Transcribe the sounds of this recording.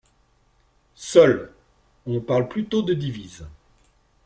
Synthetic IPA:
sœl | ɔ̃paʁlplyt̪od̪əd̪iviz

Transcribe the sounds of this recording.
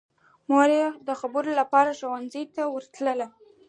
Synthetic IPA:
moɾd̪əxabəɾolapɑɾaʃowanzəjt̪awəɾt̪ləla

